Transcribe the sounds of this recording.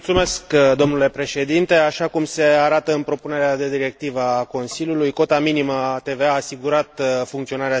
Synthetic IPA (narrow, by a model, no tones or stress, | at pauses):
t̪sume̞skd̪o̞mnule̞pɾe̞ʃe̞d̪int̪e̞aʃakumse̞aɾat̪əɨnpɾo̞pune̞ɾead̪e̞d̪iɾe̞k̚t̪ivəako̞nsiljulujko̞t̪aminimət̪e̞veaːsiɡuɾat̪fuŋkt̪sio̞naɾea